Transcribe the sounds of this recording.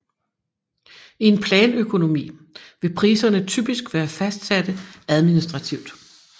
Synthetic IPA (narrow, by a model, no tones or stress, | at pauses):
ie̝npʰlɛːnøkʰo̝no̝mḭːʋe̝pʰʁiːsɐnət͡sʰyb̥isɡ̥ʋæːɐfæsd̥sæd̥əæð̞ˠminisd̥ʁɑ̈t͡sʰiʊd̥